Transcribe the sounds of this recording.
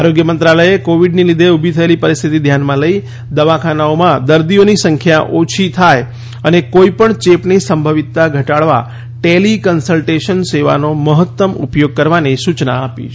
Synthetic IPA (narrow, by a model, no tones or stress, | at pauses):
aɾoɡjəmənt̪ɾaləjekoʋiɖnilid̪ʱeubʱit̪ʰəelipəɾist̪ʰit̪id̪ʱjanmãləi | d̪əʋãkʰanaomãd̪əɾd̪ionisəŋkʰjaʔot͡ʃʰit̪ʰaj | ənekoipəɳt͡ʃepnisəmbʱəʋit̪ːaɡʱəʈaɭʋa̰ | ʈelikənsəlʈeʃənseʋa̰noməɦət̪ːəmṵpjoɡ̚kəɾʋanisut͡ʃna̰ːpḭ